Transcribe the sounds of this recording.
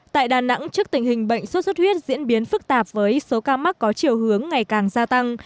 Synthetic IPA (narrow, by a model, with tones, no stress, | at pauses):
t̪a̰ː˧˨jɗaː˨˩na̰˧˥ŋt͡ɕɨ˦˥ək̚t̪ï˨˩ŋ̟hï˨˩ŋ̟ɓə̰˧˨jŋ̟sə˦˥t̚sə˦˥t̚hwi˦˥ət̚zḭ˧˥ənɓi˨˦ənfɨ˦˥k̚t̪aː˨˩p̚vəː˨˦jso˨˦kaː˧ma˦˥t̚kɔ˨˦t͡ɕi˨˩əwhɨ˨˦əŋːa˨˩jkaː˨˩ŋzaː˧t̪a˧ŋ